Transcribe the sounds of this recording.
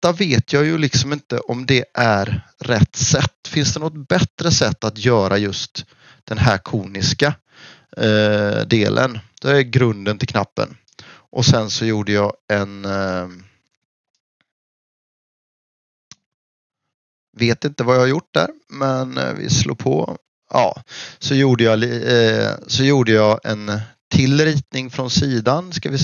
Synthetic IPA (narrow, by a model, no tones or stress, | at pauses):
t̪ːaveːt̪ʰjɑːjɵlɪksɔmɪnt̪ə̰ʔɔmd̪ɛʔæɾ | ɾɛt̪ːsɛt̪ːfɪnsd̪ɛnɔɡɔt̪bɛt̪ɾəsɛt̪ːat̪jœːɾʔajɵst̪ | d̪̥ɛnɦæɾkʰuːnɪska | d̪ḛːlʔə̰nd̪̥ɛɛɡɾɵnd̪ənt̪ʰɪlkʰnapːə̰n | ʔɔsɛnsɔjuːɖəjɑːɛn | veːt̪ɪnt̪əvajɑhaɾjʊʈ̚ːd̪æ̰ɾmɛnvɪ̰slṵːpʰɔ̰ | ʔɑ̰ːsɔjuːɖəjɑl | sɔjuːɖəjɑːʔɛnt̪ʰɪlɾiːt̪̚nɪŋfɾɔnsiːd̪anskavɪ